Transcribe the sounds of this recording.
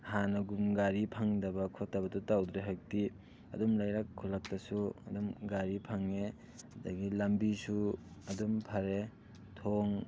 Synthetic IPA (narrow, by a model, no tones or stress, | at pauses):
hanɐɡumɡaɾipʰaŋdɐbɐkʰotːɐbɐdutawdɾeɦak̚ti | ɐ̰dumlajɾakʰːulak̚tɐsuɐ̰dumɡaɾipʰaŋe | ɐdɐɡilɐmbisuɐdumpʰɐɾe | tʰoŋ